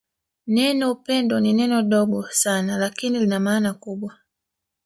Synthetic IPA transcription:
nɛnɔupɛndɔninɛnɔɗɔɓɔsanalakinilinamaːnakuɓwa

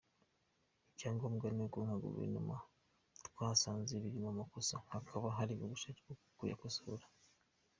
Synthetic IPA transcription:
icaːŋɡoːmɡaneɡwoŋaɡṵvḛɾnṵma | tkaːsaːnzeβiɾimamakosahakʰaβaɦaɾiβoɡuʃaɡokukuja̰kosooɾḁ

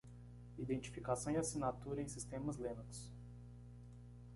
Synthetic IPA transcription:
id̪ẽt͡ʃi̥fikasɐ̃w̃iasinat̪uɾɐẽj̃sist̪ẽmɐzlẽnɐkʊ̥s

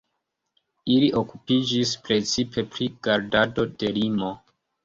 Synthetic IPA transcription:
iliʔokupid͡ʒispɾe̞t͡sipʰe̞pɾiɡ̥aɾdado̞de̞limo̞

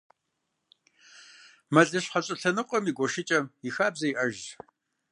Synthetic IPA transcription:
mɐɮɐɕħɐɕʼɪɬɐnɨqʷʼɔmiɡʷɔʃɪt͡ʃʼɐmjixaːbzɐjiʔɐʒ

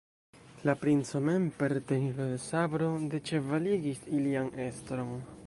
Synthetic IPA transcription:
lapɾint͡so̞me̞mpe̞ɾt̪enilodesabɾo̞det͡ʃe̞valiɡisiliane̞stɾo̞n

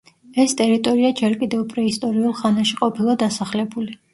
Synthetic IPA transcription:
ɛst̪ʼɛɾit̪ʼɔɾiad͡ʒɛɾkʼid̪ɛvpʼɾɛist̪ʼɔɾiulˠχanaʃiqʼɔpʰilˠad̪asaχlɛbuli

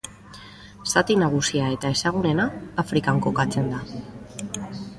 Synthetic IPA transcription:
sat̪inaɣ̞usiae̞t̪ae̞saɣ̞une̞naːfɾikaŋko̞kat͡se̞nd̪a

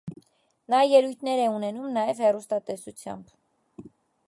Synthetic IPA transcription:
nɑjɛlujt̪ʰnɛɾɛunɛnumnɑjɛvhɛrust̪ɑt̪ɛsut͡sʰjɑ̰mb

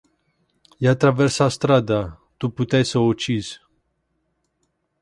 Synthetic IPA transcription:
jat̪ɾaversast̪ɾad̪a | t̪uput̪ajsəot͡ʃiz̥

